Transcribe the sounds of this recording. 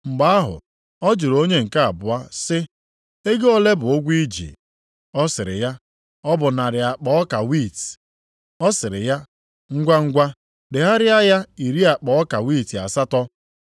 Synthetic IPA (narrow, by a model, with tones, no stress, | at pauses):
ŋ͡m̩˨ɡ͡ba˨˦a˦ɦʊ̰˨ | ɔ˦d͡ʒʊ˨ɾo˦ɲe˦ŋ̩˨ka˦a˨bʊ˨a˦sɪ˦ | e˦ɡe˦ɔ˦le˦bʊ˨ʊ˦ɡʷi˦d͡ʒḭ˨ | ɔ˦sɪ˨ɾɪ̰˨ja˦ | ɔ˦bʊ˨na˨ɾɪ˨a˨k͡pɔ˦ɔ˦ka˨wi˦˨t | ɔ˦sɪ˨ɾɪ̰˨ja˦ | ŋ̩˦ɡʷa˦ŋ̩˦ɡʷa˦ | dɪ˨ɦa˦ɾɪ˦a˦ja˦i˨ɾi˦a˨k͡pɔ˨ɔ˦ka˨wi˦˨ti˨a̰˨sa˦tɔ˦